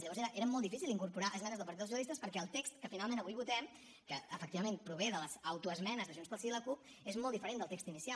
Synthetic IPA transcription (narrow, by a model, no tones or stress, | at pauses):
ʎəɔzeɾəʔeɾəmɔlˠd̪ifisilˠd̪iŋkuɾpuɾaʔəzmɛnəzðəpəɾt̪it̪ðəʒuðist̪əspəɾkɛəlˠt̪ekst̪kəfinalˠmẽnəβujβut̪ɛm | kəəfəkt̪iβəmẽmpɾuβ̞eðələzawt̪uəzmɛnəzðəʒunspəlˠsiləkup̚ | ezmɔlˠd̪ifəɾend̪əlˠt̪ekst̪inisia